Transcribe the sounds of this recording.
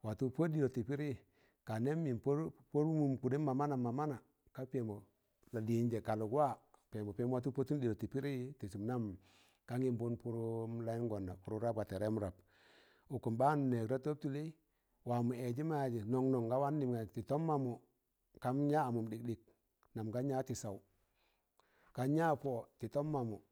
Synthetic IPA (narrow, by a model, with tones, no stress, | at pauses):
wa˨tu˦po˦di˨lo˨ti˨pi˦ɾi˦˨ | ka˨ne˦mːi˨mpo˦po˦ɾmu˨mku˨de˦ma˨ma˦na˨ma˨ma˦na˨ | ka˦pe˨mo˨ | la˨di˨˦nd͡ʒe˨ka˨lu˨kwa˦˨pe˨mo˨pe˦m˦wa˦t̬u˦po˦tu˦ndi˨lo˨ti˨pi˦ɾi˦ti˨si˨m˦na˦m | ka˦ŋi˦mbu˦npu˦ɾu˦m˦la˦i˦ŋɡɔ˨nda˨pu˨ɾu˦ɾa˦p̚ɡa˨te˨ɾe˦mu˦ɾa˨p̚ | u˨ku˨mba˦n˨ne˨kɾa˦to˦p̚tu˦le˦ | wa˨mu˨ɛ˨d͡ʒi˦ma˦˨d͡ʒi˨nɔ˨ŋnɔ˨ŋɡa˦wa˦nːi˨mŋa˨ti˨tɔ˦mːa˦mu˨ | ka˦mɲaː˦˨mu˨mdi˨k̚dɪ˨k̚ | na˨mɡa˦ɲa˦ti˨sa˨wu˨ | ka˨˦ɲa˦po˦ti˨tɔ˦mːa˨mu˨